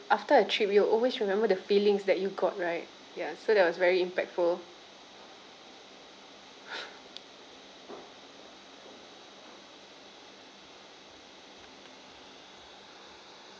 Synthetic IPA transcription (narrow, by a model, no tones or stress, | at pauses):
ʔaftəətʰɹip̚juʔɔlwesɹimɛ̃mbədəfilĩŋsdɛt̚juɡɔt̚ɹaɪt̚ | jasodɛt̚wɔsvɛɹiĩmpɛk̚tful